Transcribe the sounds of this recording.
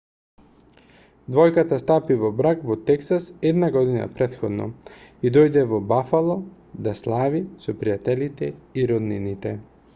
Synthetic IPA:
d̪vɔjkat̪ast̪apivɔbɾakvɔt̪ɛksasɛd̪naɡɔd̪ina̰pɾɛt̪xɔd̪nɔ̰id̪ɔjd̪ɛvɔbafalˠɔ | d̪aslˠavisɔpɾijat̪ɛlit̪ɛiɾɔd̪ninit̪ɛ

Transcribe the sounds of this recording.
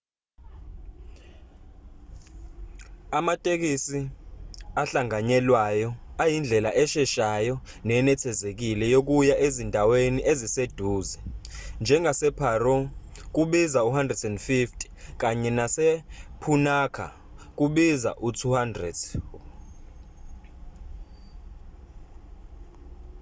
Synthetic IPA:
amatʼek̬isi | aɬaŋaɲɛlwajɔajind͡ɮʱɛlaʔɛʃɛʃajɔ | nɛnɛtʰɛzek̬ilɛjok̬ujaʔezindʱaweniʔezised̥ʱuːzɛnd͡ʒʱɛŋasɛpʰarɔk̬uɓizauɦandʱrɛdɛndfiftʰʼi̥k̬aɲɛnasɛpʰunaːkʰa̰ | k̬ʼuɓiza̰ʔutʰuhandrɛd

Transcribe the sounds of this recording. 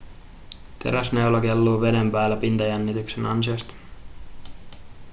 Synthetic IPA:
t̪e̞̰ɾæsneolɑkelːuːʋe̞dempæːlːæpint̪ɑjænːit̪yksenɑ̰nsiɑst̪ɑ̥

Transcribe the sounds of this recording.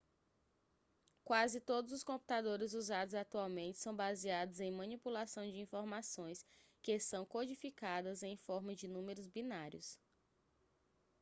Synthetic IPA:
kwazɪt̪od̪ʊzʊskõmpu̥t̪ad̪oɾɪzuzad̪ʊzat̪uawmẽnt͡ʃɪ̥sɐ̃w̃baziad̪ʊzẽj̃mɐ̃nipulasɐ̃w̃d͡ʒɪĩfoɾmasõj̃skesɐ̃w̃kod͡ʒifikad̪ɐzẽj̃fɔɾmɐd͡ʒɪnũmeɾʊzbinaɾjʊ̰s

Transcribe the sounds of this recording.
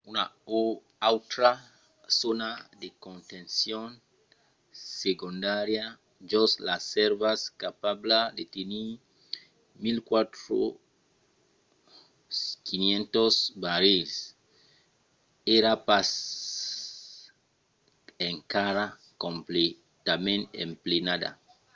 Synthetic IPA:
unao | awt̪ɾa | sonad̪ekont̪ẽnsjon | sekund̪aɾja | d͡ʒoslaseɾβaskapablad̪et̪eni | milkwat̪ɾo̰ | kinjẽnt̪osbaɾes | eɾapas | eŋkaɾa | komple | t̪amẽnḛmplenad̪a̰

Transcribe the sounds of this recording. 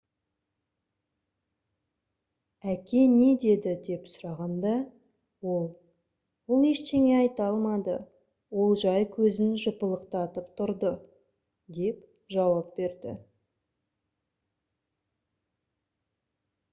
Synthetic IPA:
ækʲe̞ne̞d̪e̞d̪ɪd̪e̞psʊɾɑʁɑnd̪ɑ | wo̞lˠ | wolˠeʃt̪e̞ŋe̞ɑjt̪ɑlˠmɑd̪ə̰ | wo̞lˠʒɑjkʲʰɵzɪnʒʊpəlˠəqt̪ɑt̪əpt̪ʰʊɾd̪ə | d̪e̞p | ʒɑwɑp̚be̞ɾd̪ɪ̰

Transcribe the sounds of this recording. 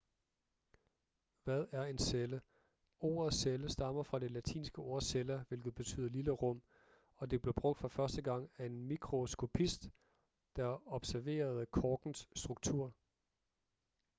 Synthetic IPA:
ʋæð̞ˠæɐe̝nselə | o̝̰ːɐðˠseləsd̥ɑ̈m̰ɐfʁɑ̈d̥e̝læt͡sʰḭːnsɡ̥əo̝ɐ̰selɐʋe̝lɡ̥ð̞̩ˠb̥e̝t͡sʰy̰ːð̰ˠɐliləʁɔ̽m̰ | ɒ̽d̥e̝b̥le̝b̥ʁɔ̽ɡ̥d̥fɑfɶɐsd̥əɡ̥ɑ̈ŋ̰æe̝nmiɡʰʁo̝sɡ̥o̝pʰisd̥ː | ɑɒ̽b̥sæɐʋe̝̰ːɐð̞ˠkʰɒːɡ̥n̩sːd̥ʁuɡ̥̚t͡sʰuɐ̰

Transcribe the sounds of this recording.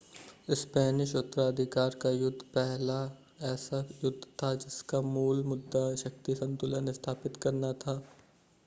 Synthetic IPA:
ɪspɛːnɪʃʊt̪ːəɾaːd̪ʱɪkaːɾkajʊd̪ʱːpɛɦla | ɛːsajʊd̪ʱːt̪ʰad͡ʒɪskamuːlmʊd̪ʱːaʃɐk̚t̪isɐ̃nt̪ʊlə̃nst̪ʰaːpɪt̪kɐɾnat̪ʰaː

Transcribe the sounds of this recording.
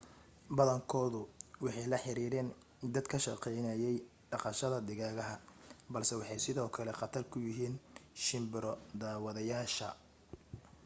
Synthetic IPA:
bɐðɐŋkʰɔːðʊwɑħɑjlɐħɪɾiːɾɛːn | d̪ɐd̪kʰɐʃɑqɛjnɐjɛj | ɖɑqɑʃɐðɐd̪ɪɣaːɣɐɦɐbɐlsɛwɑħɑjsɪðɔːkʰɐlɛqɑt̪ʰɐrkʰʊjɪɦiːnʃɪmbɪɾɔd̪aːwɐðɐjaːʃɐ

